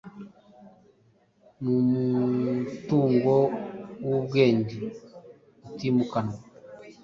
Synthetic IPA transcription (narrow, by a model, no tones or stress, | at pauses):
numutuːŋɡɔwubweːndi | utimukanwa